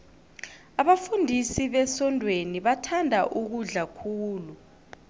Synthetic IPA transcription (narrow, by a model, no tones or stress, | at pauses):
aɓafundʱisiɓɛsɔndʱweniɓatʰandʱaʔuk̬uɮakʰuːlu